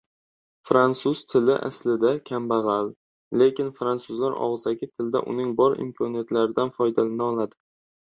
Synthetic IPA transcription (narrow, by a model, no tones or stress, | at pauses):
fɾansʊz̥t̪ʰɪlɪʔa̰slɪd̪akʲʰambaʁɑl | le̞kʲɪnfɾansʊzlaɾɒ̰ʁɨzaɡʲɪt̪ʰɪld̪a̰ʔʊ̰nɪŋbɒɾɪ̰mkʰɒnijat̪laɾɪd̪anfɒjd̪alanaɒlˠad̪ɪ̥